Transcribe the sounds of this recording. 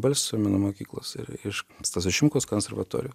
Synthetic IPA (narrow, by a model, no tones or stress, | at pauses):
bɐlʲsʲsʲmʲɛnʊmoːkʲiːklˠo̰ːsɪ̰ɾɪʃst̪ɐsʲɪʃʲɪmkoːskonsʲɛɾʋɐt̪o̰ːɾʲju